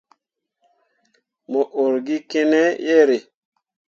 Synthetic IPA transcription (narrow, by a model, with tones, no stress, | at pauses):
mo˨ʔo˨ɾɡi˦ke˦nɛ˦je˦ɾe˨